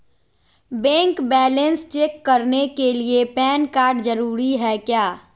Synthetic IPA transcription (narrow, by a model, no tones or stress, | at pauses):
bɛ̃ːŋkbɛːlə̃nst͡ʃeːkːɐɾnekeliepɛːnkaːɾɖzɐɾuːɾiɦɛːkjaː